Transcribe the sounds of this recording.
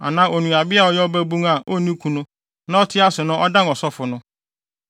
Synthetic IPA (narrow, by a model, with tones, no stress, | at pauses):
a̰˨nãː˦ʔo˨nũ˨a˨bɪ˦a˨ɔ˦jɛ˦ɔ˦bæ˦bũ˦ŋa˨ʔo˦˨nĩ˦kʰu˨nʊ̃˦ | nã˦ɔ˦tʰɪ˦a˦sʊ˨nʊ̃˦ʔɔ˦dã˦nɔ˨sɔ˦fʊ˨nʊ̃˦